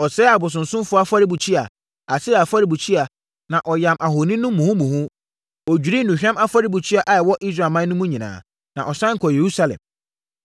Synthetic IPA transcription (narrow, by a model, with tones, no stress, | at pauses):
ɔ˨sɛː˦a˨bʊ˨s̬ʊ̃˨n̩˨sʊ̃˦m˦fʊ˦a˦fa˦ɾi˦bu˨t͡ɕʰi˦a˨ | a˨sɪ˦˨a˨fa˦ɾi˨bu˨t͡ɕʰi˦a˨ | nã˨ʔɔ˨jã˨mʔa˨ɦo˨nĩ˦nʊ̃˦mːũ˨hũ˦mũ˨hʊ̃˦ | ɔ˨d͡ʑᶣi˨ɾi˦nũ˨ɕᶣɛ̃˦ma˦fa˦ɾi˦bu˨t͡ɕʰi˦a˨ʔa˨ɛ˨wɔ˦ʔi˦s̬ɾa˨mã˦nʊ̃˦mũ˦ɲĩ˨nã̰ː˨ | nã˨ʔɔ˨sã˦ŋ̩˨kʰɔ˨je˨ɾu˦sa˦lɛ̰̃˨m